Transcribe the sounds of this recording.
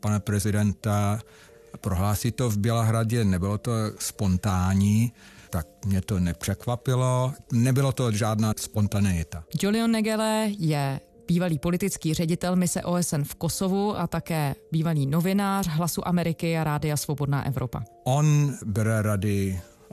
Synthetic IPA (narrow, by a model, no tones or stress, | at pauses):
panapɾɛzɪdɛnt̪a | pɾoɦlaːsiːt̪ovbjɛlaɦɾaɟɛnɛbɪlot̪ospont̪aːɲiːt̪ak̚mɲɛt̪onɛpr̝̥ɛkvapɪlonɛbɪlat̪oʒaːdnaːspont̪anɪjɪt̪ad͡ʒolɪonːɛɡɛlɛjɛ | b̥iːvaliːpo̞lɪt̪ɪt͡skiːr̝ɛɟɪt̪ɛlmɪsɛ̰ʔo̞ːɛsɛnfko̞so̞vuʔat̪akɛːbiːvaliːno̞vɪnaːr̝ɦlasuʔamɛɾɪkɪaɾaːdɪasvo̞bo̞dna̰ːʔɛ̰vɾo̞pa̰ʔonbɛɾɛɾadɪ